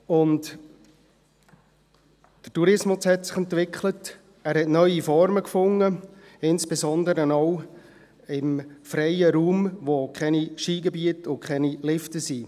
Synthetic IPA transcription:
ʊnd | d̥ə̥tuɾɪsmʊshɛtsɪ̥χɛntʋɪkχlət | æːɾhɛtnœʏifɔɾməkfʊŋːə | ɪnsb̥ezɔndəɾənɔʊ | ɪmfɾɛjəɾuːmʋokχɛniʃiːɡɛbiətʊkχɛnilɪftəsiː

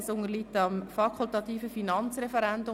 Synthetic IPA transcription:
sʊŋəlit̪ɑmfɑkʰʊlt̪ɑt̪iːfəfinɑnt͡srɛfɛɾɛnd̪ʊ

